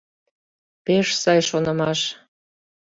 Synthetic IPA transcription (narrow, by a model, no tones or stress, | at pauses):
peʃsɑjʃonə̆mɑʃ